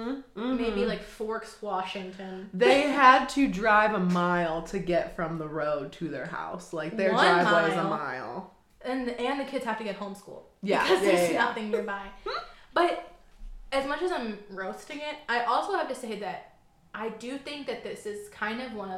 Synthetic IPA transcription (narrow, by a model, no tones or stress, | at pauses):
meɪbilaɪkfɔɹkswɑʃɪ̃ŋtʰɨ̃nðeɪəd̚tʰɨdɹaɪvəmaɪlˠtʰɨɡɛtfɹʌ̃mðəɹoʊd̚tʰɨðə̰˞ha̰ʊslaɪk̚ðə˞dɹaɪvʌzəma̰ɪlˠ | ɨ̃nɨ̃nðɨkʰɪdz̥hæftɨɡɨt̚hõʊ̃mskṵlˠjæ̰kʌzðeɪsnʌθɪ̃ŋnɪɹbaɪb̥ʌɾ | ɨzmʌt͡ʃɨzãɪ̃mɹoʊstɪ̃ŋɪt̚aɪʔɔlˠsoʊhɨv̥tɨseɪðɨɾ | ʔaɪdɨθɪ̃ŋk̚ðɨt̪̚ðɪsɨz̥kʰãɪ̃ndʌvwʌ̃nʌ